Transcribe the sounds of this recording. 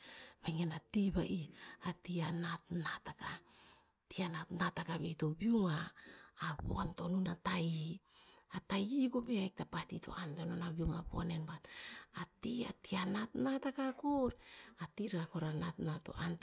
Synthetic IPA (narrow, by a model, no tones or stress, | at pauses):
maŋenatibaʔiatianatnataka | tianatnatakaβeitobiuŋaː | bo̰anto̞nunatai | atajiɡobeak̚tapatito̞̰ʔantononabiuŋabo̰nenbatatia̰tianatnatakakuɾatiɾakoɾanatnato̞̰ʔant